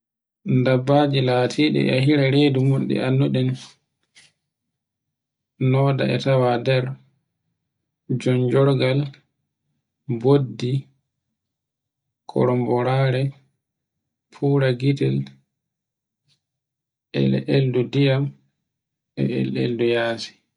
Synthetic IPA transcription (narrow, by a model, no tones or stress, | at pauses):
ndabːaːd͡ʒilaːtʰiːɗɛ̰aɦiɾaɾedumunɗɛ̰anːuɗɛn | nɔːda̰ɛ̰tawadɛɾ | d͡ʒɔnd͡ʒɔɾɡal | bodːi | kʰɔ̰ɾɔmbɔɾaːɾɛ | pʰuːɾaɡitɛl | ʔɛ̰ɛ̰ʔeldudijam | ɛ̰ḛlḛldujaːsi̥